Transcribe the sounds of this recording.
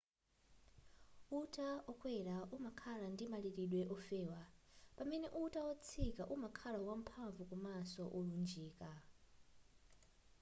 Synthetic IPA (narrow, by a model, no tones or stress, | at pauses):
utʼaɔkʰʼwɛɺaʔumakʰaɺandimaɺiɾiɗwɛʔɔfɛːwapʼamɛnɛʔutʼaɔt͡sʰikʼaʔumakʰaɺawam̩pʰaɱvukʼumasɔʔɔlund͡ʒiːkʼa